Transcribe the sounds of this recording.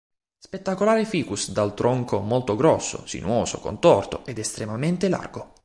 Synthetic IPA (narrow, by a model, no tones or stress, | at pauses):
spet̪ːakolaːɾifiːkusd̪alt̪ɾʔɔŋkomɔlt̪oɡɾɔsːo̰sḭnwoːso̰ko̰nt̪ɔrt̪oʔɛd̪ɛst̪ɾemament̪ela̰rɡo